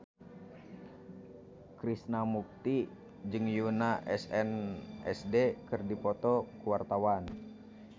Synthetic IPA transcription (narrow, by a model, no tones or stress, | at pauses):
kɾisnamuk̚t̪i | d͡ʒɨŋjunaʔɛsɛnʔɛ̰sdekɨrdipɔt̪ɔkuwart̪awan